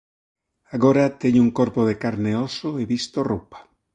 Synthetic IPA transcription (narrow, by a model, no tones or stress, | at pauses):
aɣoɾat̪eɲʊuŋkoɾpoðekaɾneosoeβist̪orupḁ